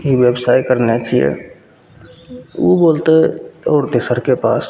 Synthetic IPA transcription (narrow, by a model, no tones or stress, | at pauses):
iʋjebsaːikəɾnɛt͡ʃʰijɛ̰ | ubolt̪eɔːɾd̪esəɾkepa̰s